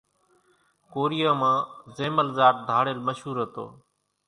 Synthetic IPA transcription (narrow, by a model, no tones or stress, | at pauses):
koːɾijaːmãːzeːməlzaːʈ̚d̪ʱaːɽeːlməʃɦuːɾɦət̪o̰ː